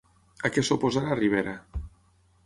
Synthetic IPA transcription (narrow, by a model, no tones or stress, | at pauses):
akesopozaɾariβ̞eɾa